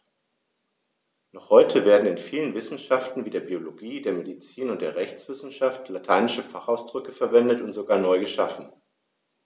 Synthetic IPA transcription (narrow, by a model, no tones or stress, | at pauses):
nɔχhɔʏtʰəveːɐdn̩ɪnfiːlənvɪsn̩ʃaftn̩viːdeːɐbioloɡiːdeːɐmedit͡siːnʊntd̥eːɐʁɛçt͡sv̥ɪsn̩ʃaftlatʰaɪnɪʃəfaχaʊsd̥ʁʏkəfɛɐvɛndətʊntz̥oɡaːɐnɔʏɡəʃafn̩